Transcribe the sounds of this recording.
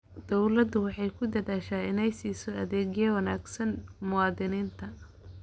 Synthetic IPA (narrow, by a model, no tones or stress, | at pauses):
d̪̥ɔwlɐd̪ʊwɑħɑjkʰʊd̪ɐðaːʃaːɪnɛjsiːsɔɐðɛːɡjɛwɐnaːɡsɐnmʊwɑːd̪ɪniːnt̪ʰɐ